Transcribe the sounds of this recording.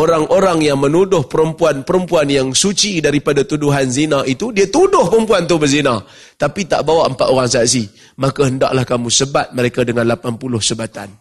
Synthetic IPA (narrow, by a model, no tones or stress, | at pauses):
oɾaŋʔoɾaŋjaŋmənudʊhpəɾəmpuanpəɾəmpuanjaŋsut͡ʃidaɾipadat̪uduɦanzinait̪udiat̪udʊhpəɾəmpuant̪ʊhbərzina | t̪apit̪a̰ʔbawaʔəmpat̪oɾaŋsaat̪s̬i | makaɦənda̰ʔlahkamũsəbat̪̚məɾekadəŋãnlapanpulʊhsəbat̪a̰n